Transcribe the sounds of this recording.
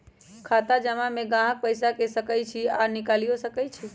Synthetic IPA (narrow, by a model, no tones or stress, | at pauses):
kʰat̪ad͡ʒəmameɡãɦək̚pəɪsakesəkəjt͡ʃʰiaɾnikalijosəkɛjt͡ʃʰi